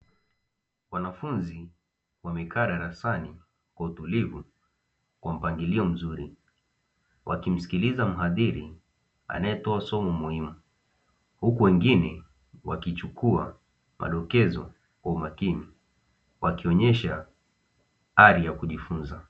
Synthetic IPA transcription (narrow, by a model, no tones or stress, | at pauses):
wanafunzi | wamɛkʰaːɗaɾasani | kwautulivu | kwam̩paŋɡiliɔm̩zuɾi | wʔakim̩si̥kilizam̩ɦaðiɾi | a̰najɛtɔasɔmɔmuhimu | hukuwɛŋɡinɛ | wakit͡ʃukʰua̰ | mʔa̰ɗɔkɛzɔ̰ | kaumakini | wakiɔɲɛʃa | aɾijakuʄifunza